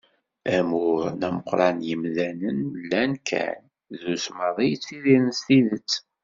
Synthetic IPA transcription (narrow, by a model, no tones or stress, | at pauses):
æmʊɾnæməqːɾˤɑnjəmðænənlːænkʰæ̰n | ðusmɑðˤijt͡sːiðiɾnst̪iðət͡sː